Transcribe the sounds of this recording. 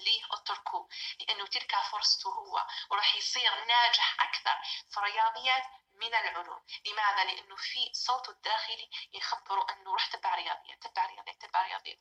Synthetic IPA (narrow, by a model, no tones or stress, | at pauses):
liːʔɪt̪ːʊɾkʰuːlɪʔanːʊt̪ɪlkafʊɾˤsˤɑ̥t̪uhʊwːa̰wɾˤɑːħjsˤiːɣnaːd͡ʒɪħʔakθɑ̰ɾˤfiɾɪjɑːðˤɨjːaː | mɪnɪlʕʊlṵːmlɪmaːðalɪʔanːʊfisˤːoːt̪ˤɪd̪ːaːxɪlijɪxabːɪɾuʔɪnːʊɾˤɑːħt̪ɪbːaʕɾɪjɑ̰ːðˤɨ̰jːa̰t̪ːɪbːaʕɾɪjɑ̰ːd̪ˤjːat̪ɪbːaʕɾɪjɑ̰ːðˤɨ̰jːa̰